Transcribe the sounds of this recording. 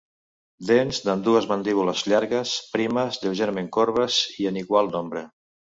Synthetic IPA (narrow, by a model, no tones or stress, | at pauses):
d̪enzd̪and̪uəzmand̪iβuləzʎaɾɣəspɾiməzðelˠʒɛɾmeŋkoɾβəziəniɣwalˠnombɾe